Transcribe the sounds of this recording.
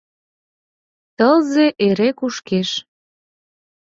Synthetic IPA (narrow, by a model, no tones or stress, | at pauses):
t̪əlzeʔeɾekuʃkeʃ